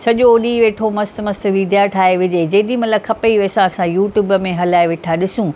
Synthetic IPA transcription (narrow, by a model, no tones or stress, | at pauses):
sɐʄoɗiːʋeːʈʰomɐst̪mɐst̪ʋiːɖ̪ʱjaʈʰaːɦeʋɪd͡ʑeːd͡ʑɐːɗ̪ĩmɐt̪ləkʰɐpɐiʋeːsãɐsãjuːʈjuːbəmẽɦɐlaːeʋeːʈʰaɗɪsũː